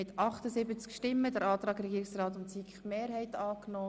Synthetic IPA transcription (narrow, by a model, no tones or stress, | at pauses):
ɪt̪ʰɑχt̪əzɪbət͡skʃtɪmːədəɾɑːt̪ɾɑːɡɾɛɡiːɾɪksrɑːt̪ʊsikχmeːɾhɛɪt̪ɑːknɔː